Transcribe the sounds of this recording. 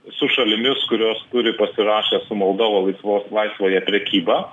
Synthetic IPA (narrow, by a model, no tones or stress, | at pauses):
sʊʃɐlʲɪmʲɪskʊɾʲoːst̪ʊɾʲɪpɐsʲɪɾɑːʃʲɛːsʊmɔlˠd̪oːʋɐlˠɐɪsʋoːslˠɐɪsʋoːjɛpʲɾʲɛkʲiːbɑː